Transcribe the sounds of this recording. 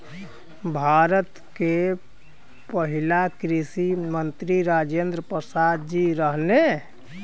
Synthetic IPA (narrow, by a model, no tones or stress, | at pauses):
bʱaɾət̪ | ke | pəɦilakɾisimənt̪ɾiɾad͡ʒend̪ɾəpɾəsad̪d͡ʒiɾəɦne